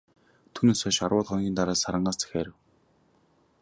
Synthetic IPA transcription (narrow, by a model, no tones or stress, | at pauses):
t̪ʰuːneːsœʃarwʊːɮχɔnɡʲiːnt̪aɾaːsaɾə̆ɴɢaːst͡sʰæ̥xʲeːɾɘ̆w